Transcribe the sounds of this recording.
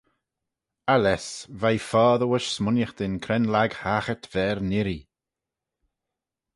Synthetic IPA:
alɛsvajfɔːðəwəʃsmʊnjəxd̪ɪnkʰɾɛnlaɡhaːxət̪v̥ɛːɾnɪɾi

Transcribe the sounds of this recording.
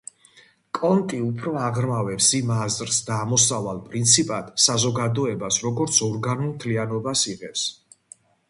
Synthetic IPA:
kʼɔnt̪ʼiupʰɾɔaʁɾmavɛpsimazɾsd̪aːmɔsavalˠpʼɾint̪sʰipʼad̪̥sazɔɡad̪ɔɛbasɾɔɡɔɾt̪sʰɔɾɡanulˠmt̪ʰlianɔbasiʁɛps

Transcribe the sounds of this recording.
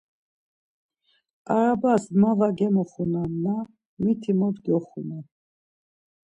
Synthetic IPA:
aɾabasmavaɡɛmɔχunamna | mit̪ʰimɔd̪ɡɔχuna

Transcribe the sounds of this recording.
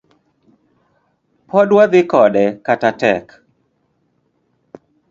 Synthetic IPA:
pɔdwaðɪkɔɗɛkatatɛk

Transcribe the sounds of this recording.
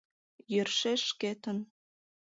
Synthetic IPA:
jørʃeʃket̪ə̆n

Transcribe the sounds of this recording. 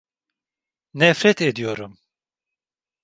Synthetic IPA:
nɛfɾɛt̪ʰed̪ijoɾum

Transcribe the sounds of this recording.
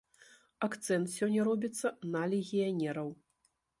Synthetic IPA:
akt̪sɛnt̪sʲɔnʲːɐɾɔbʲit̪sːɐnɐlʲeɣʲijanʲɛɾɐw

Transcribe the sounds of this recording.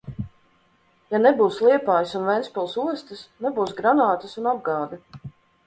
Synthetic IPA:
janɛbuːslˠiɛpaːjsunvɛnsʲpɛlˠsuɔst̪ɨsnɛbuːsɡɾanaːt̪ɨsunab̚ɡɑːd̪i

